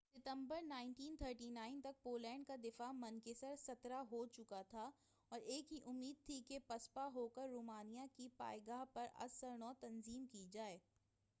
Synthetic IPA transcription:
sɪt̪ə̃mbəɾnãːɪ̃ɳʈiːnt̪ʰəːɾʈiːnaːɪnt̪ɐk̚poːlɛ̃ːɳɖ̚kad̪ɪfamɐ̃nkɪsəɾsɐt̪ɾaɦot͡ʃʊkat̪ʰa | ɔːɾeːkɦiʔʊmːiːd̪̚t̪ʰikepɐspaɦoːkəɾːoːmaːnijakipa̰ːjɡaːɦpɐɾɐ̰səɾnɔːt̪ɐnziːmkid͡ʒaːeː

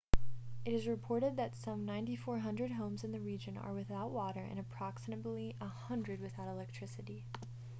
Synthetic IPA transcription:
ɨɾɨzɹɨpʰɔɹɾɨd̪̚ðɨtsʌ̃mnãɪ̃ntifɔɹɦʌ̃ndɹɨd̚ɦõʊ̃mzɨ̃nðɨɹid͡ʒɨ̃nə̰˞wɨθaʊʔ̚wɔɾə˞ʔɨ̰̃ñɨpʰɹ̥ɑksɨmɨdˡliʔəhʌ̃ndɹɨd̚wɨθaʊɾəlɛk̚tʰɹ̥ɪsɨɾi

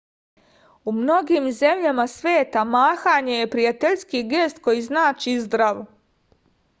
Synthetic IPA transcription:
umno̞ɡiːmze̞mʎamasʋeːt̪amaːxaɲe̞je̞pɾijat̪eʎskiɡe̞st̪ko̞jiznaːt͡ʃizd̪ɾaʋo

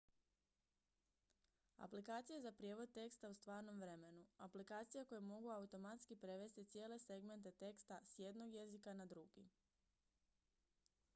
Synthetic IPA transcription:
a̰plikaːt̪sijezapɾije̞ːʋo̞d̪̚t̪e̞kst̪aust̪ʋaːɾno̞mʋɾe̞me̞nuaplikaːt̪sijako̞jemo̞ɡuaut̪o̞mat̪skipɾe̞ʋe̞st̪it̪sje̞ːle̞se̞ɡme̞nt̪̬e̞t̪e̞kst̪asje̞d̪no̞ɡje̞zikanad̪ɾuɡ̥ḭ

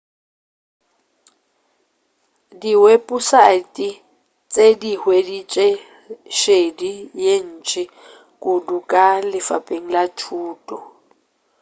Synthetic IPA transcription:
diwepʼusatʼi | t͡sʼedihwedit͡ʃʼe | ʃedijen̩ːt͡ʃʼɪ | kʼʊdukʼalɪfa̰pʼeŋ̩lat͡ʃʰuːtʼɔ

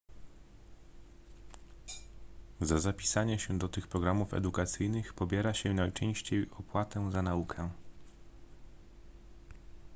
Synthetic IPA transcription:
zazapʲi̥saɲɛɕɛd̪ɔt̪ɘxpɾɔɡɾamufɛ̰d̪ukat̪sɘjnɘxpɔbʲjɛɾaɕɛnajt͡ʂɛ̃w̃ɕt͡ɕejɔpwat̪ɛzanaukʰɛ

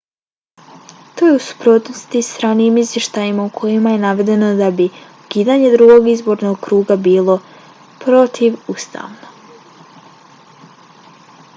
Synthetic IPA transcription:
t̪oːjeusu̥pɾuːt̪nost̪ist̪ɾaːniiːmizʋje̞ʃt̪ajimaukʰo̞jimaje̞naʋe̞d̪e̞no̞d̪abiukiːd̪aɲe̞d̪ɾuɡo̞ɡizbo̞ɾnoɡkɾuːɡabiːlˠo̞ | pɾo̞t̪ʰiʋust̪ʰa̰ːʋno

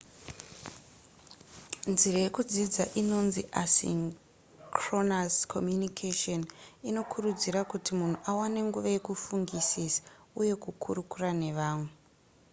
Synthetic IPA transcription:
nzirejekud͡zid͡zaʔino̞nziʔasḭŋ | kronaskʰo̞̰mjunikʰeʃonino̞kʰurud͡ziɾakutimun̤uʔawane̞ŋɡuʋaje̞kufuŋɡisisḁ | uje̞kukʰurukurane̞ʋaːmu

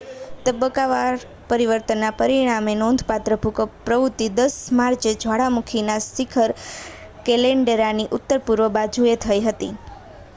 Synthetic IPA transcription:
t̪əbəkaʋaɾ | pəɾiʋəɾt̪ənːapəɾiɽ̃amenond̪ʱpat̪ɾəbʱukəpɾəʋut̪ːid̪əsmaɾt͡ʃed͡ʒʱʋaɽamukʰinasikʰəɾ | keleɳɖeɾaniʔʊt̪ːəɾpuɾʋəbad͡ʒʱuet̪ʰəiɦət̪i

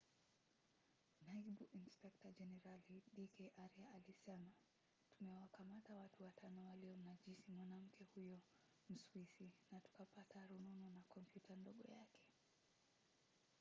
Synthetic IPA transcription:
naiɓuʔinspɛk̚tad͡ʒɛnɛɾaliɗikɛʔaɾiaːlisɛma | tumɛwakamatawatuwatʰanɔwaliɔnaʄisimwanam̩kʰɛhujɔ | m̩swisinatu̥kapataɾununɔnakɔmpjutʰandɔɠɔ̰jakɛ̥

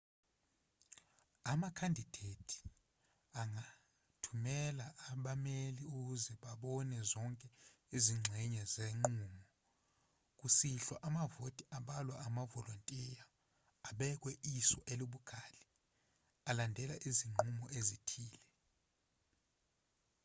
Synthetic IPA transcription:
amakʰandʱid̥ʱetʰi̥ | aŋa | tʰumɛlaʔaɓameliuk̬uzɛɓaɓɔnɛzɔŋkʼɛiziŋ͡ǁʱɛɲɛzeŋ͡ǃuːmɔ | k̬ʼusiɬwaʔamavotʼiʔaɓalwaːmavɔlontʼijaː | ɓɛk̬ʼwɛʔisɔʔeluɓuɡ̥ʱali | alandʱɛlaʔiziŋ͡ǃumɔʔezitʰiːlɛ

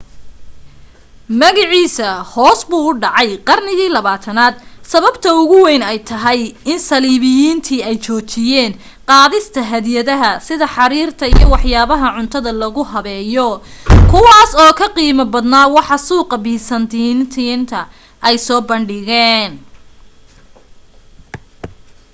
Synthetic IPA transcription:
mɐɣɪʕiːsɐhɔːsbuːʊɖɑʕɑjqɑrnɪɣiːlɐβaːt̪ʰɐnaːd̪̚sɐβɐbt̪ʰɐʊɣʊwɛjnɛjt̪ʰɐɦɛjɪnsɐliːβɪjiːnt̪ʰiːɛjt͡ʃʰɔːt͡ʃɪjɛːn | qɑːðɪst̪ʰɐɦɐðjɐðɐɦɐsɪðɐħɑɾiːrt̪ʰɐḭjɞwɑħjaːβɐɦɐʕʊnt̪ʰɐðɐlɐɣʊhɐβɛːjɔkʰʊwɑːsɔːkʰɐqiːmɐbɐd̪naːwɑħɑsuːqɑbɪhsɐnt̪ʰint̪ʰint̪ʰɐ | ʔɛjsɔːbɐɳɖɪɣɛːn

